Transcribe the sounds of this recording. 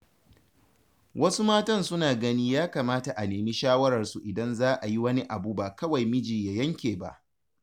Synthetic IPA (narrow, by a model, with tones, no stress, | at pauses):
wʔɐ˦su˦maː˦tɐ˦nsʊ˦naː˨ɡɐ˦niː˦jaː˦kaː˨maː˦ta˨ʔa˨neː˨miː˦ʃaː˦wɐ˦ɾɐ˨rsu˨ʔɪ˨dɐ˦nzaː˦ʔa˨ji˦wɐ˦ni˦ʔa˨buː˦baː˨kɐ˦wa˨jmɪ˦d͡ʒiː˨ja˨jɐ˦ŋkʲeː˨ba̰˦ʔ